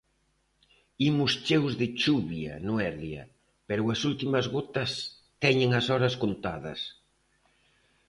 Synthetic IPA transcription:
imʊst͡ʃewzðɪt͡ʃuβjɐ̰nʊɛɾljɐ̰ | pɛɾʊɐsult̪imɐzɣot̪ɐs | t̪ɛɲeŋɐsɔɾɐskont̪aðɐ̰s

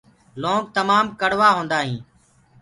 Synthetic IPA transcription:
lõːŋɡ̚t̪əmaːmkəɽʋaːɦõːnd̪aːɦĩː

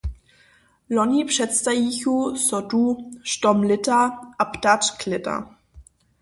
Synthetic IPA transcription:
lɔnipʂɛtstajiçusɔtuʃtɔmlɪtaaptatkʰlɪta̰

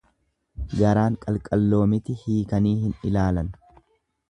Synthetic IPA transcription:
ɡɐɾaːŋkʼɐlkʼɐlːo̞ːmɪt̪ɪhiːkɐniːhɪnɪlaːlɐn

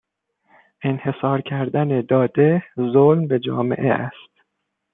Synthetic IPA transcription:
ʔe̞nhe̞sɒːɾcʰæɾd̪æned̪ɒːd̪ezolmbe̞d͡ʒɒ̰ːme̞̰ʔeʔæst̪

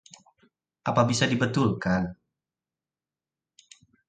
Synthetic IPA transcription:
ʔapabisadibət̪ulkan

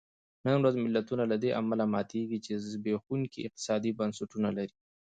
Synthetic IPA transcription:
nanɾazmɪlːat̪unalad̪eʔa̰malamɑt̪ʰeɡit͡ʃezbexuŋkiɪ̰q̚t̪ɪ̥sɑd̪ibɐnsuʈunalaɾi

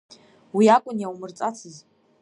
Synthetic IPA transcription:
wiakʷʼʊnjawmɨrt͡sʼat͡sʰɨz

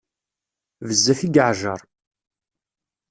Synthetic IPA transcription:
vəzːæθiɡəʕʒɑɾˤ

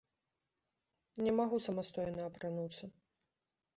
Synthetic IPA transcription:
nʲɛmaɣusɐmast̪ɔjnɐːpɾanut̪sːɐ

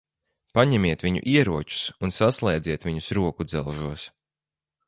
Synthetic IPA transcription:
paɲɛmiɛt̪viɲṵʔiɛɾuɔt͡ʃu̥sunsaslˠɛjd̪ziɛt̪viɲusɾuɔkud̪zɛlˠʒuɔs

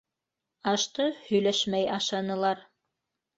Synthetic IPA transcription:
ɑʃt̪ɤhɵ̆jlæʃmæjɑʃɑnɤ̆lˠɑɾ

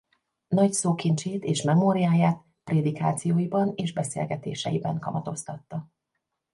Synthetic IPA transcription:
nɒcsoːkint͡ʃeːt̪eːʃmɛmoːɾiaːjaːt̪ | preːd̪ikaːt̪sijoːjibɒneːʒbɛsḛːlɡɛt̪ḛːʃɛ̰jibɛŋkɒmɒt̪o̞st̪ɒt̪ːɒ

